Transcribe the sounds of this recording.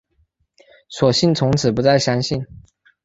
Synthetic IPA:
swɔ˨˩ɕi˥˨nt͡sʰʊ˧˥ŋt͡sʰɹ̩˨˩pu˧˦t͡sa˥˩ɪɕjɑ˥ŋɕi˥˩n

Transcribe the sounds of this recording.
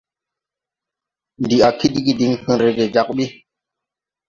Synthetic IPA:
n˨di˨a˨ki˦di˦ɡi˦di˨ŋhə̃˦ɾe˦ɡe˨d͡ʒa˦k̚ɓi˦

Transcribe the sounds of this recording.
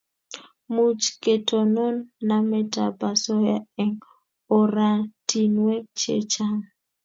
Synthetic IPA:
mu˨t͡ʃke˨to˨nɔ˦nːa˦mɛ˦ta̰˨pa˨sɔ˦ja˦ɛ˨ŋ | o˨ɾa˨tʰi˨nwɛ˦k̚t͡ʃḛ˦t͡ʃa˦ŋ

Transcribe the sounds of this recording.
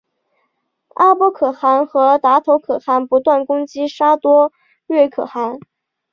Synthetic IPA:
a˥pwɔ˥kʰɤ˨˩xa˧˥nxɤ˧˥t̪a˧˥t̪ʰo˧˥ʊkʰɤ˨˩xa˧˥npu˧˥t̪wa˥˩nkʊ˥ŋt͡ɕi˥ʂa˥t̪wɔ˥ | ɻɥɛ˥˩kʰɤ̰˨˩xa˧˥n

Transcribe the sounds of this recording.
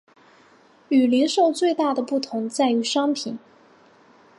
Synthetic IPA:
y˨˩li˧˥nʂo˥˧ʊt͡swe˥˧ɪt̪a˥˩d̪ə˩pu˥˩t̪ʰʊ˧˥ŋt͡sa˥˩ɪy˧˥ʂɑ˥ŋpʰi˨˩˦n

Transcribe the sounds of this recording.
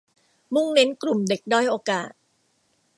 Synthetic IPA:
mu˥˩ŋne˦˥nklu˨˩mde˨˩k̚dɔː˥˩jʔoː˧kaː˨˩t̪̚

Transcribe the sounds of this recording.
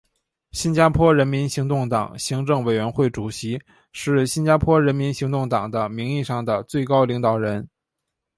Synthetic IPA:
ɕi˥nt͡ɕja˥pʰwɔ˥ɻə˧˥nmi˧˥nɕi˧˥ŋt̪ʊ˥˩ŋt̪ɑ̰˨˩ŋɕi˧˥ŋʈ͡ʂɤ˥˩ŋwe˨˩ɪɥɛ˧˥nxwe˥˩ɪʈ͡ʂu˨˩ɕi˧˥ | ʂɻ̩˥˩ɕi˥nt͡ɕa˥pʰwɔ˥ɻə˧˥nmi˧˥nɕi˧˥ŋt̪ʊ˥˩ŋt̪ɑ˨˩ŋd̪ə˦mi˧˥ŋi˥˧ʂɑ˥˩ŋd̪ə˩t͡swe˥˩ɪkɑ˥ʊli˧˥ŋt̪ɑ˨˩ʊɻə˧˥n

